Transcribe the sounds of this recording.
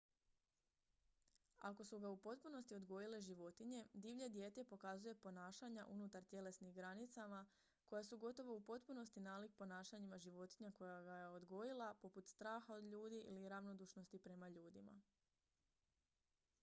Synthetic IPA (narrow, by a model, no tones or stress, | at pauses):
a̰ko̞suɡaupo̞t̪puno̞st̪io̞d̪ɡo̞jile̞ʒiʋo̞t̪iɲe̞d̪iʋʎed̪je̞ːt̪epo̞kazuje̞po̞naːʃaɲaʔunut̪aɾt̪je̞le̞snixɡɾanit̪sama | ko̞jasuɡo̞t̪o̞ʋo̞upo̞t̪puno̞st̪inaːlikpo̞naːʃaɲimaʒiʋo̞t̪iɲako̞jaɡajeo̞d̪ɡo̞jilˠapo̞put̪st̪ɾaːxao̞d̪ʎuːd̪iʔiliɾaʋno̞d̪uːʃno̞st̪ipɾe̞maʎuːd̪ima̰